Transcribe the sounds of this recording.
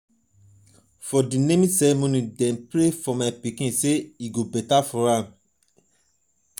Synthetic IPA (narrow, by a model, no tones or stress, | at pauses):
fɔdinẽmĩsɛɾɛmonĩdɛ̃npɹefɔmaɪpikĩnseiɡobɛtafɔɹãm